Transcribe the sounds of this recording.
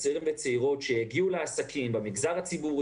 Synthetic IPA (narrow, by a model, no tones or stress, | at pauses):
seʁimvet͡seiʁo̞tʃeheɡiuleasakʰimbemiɡzaʁhat͡sibu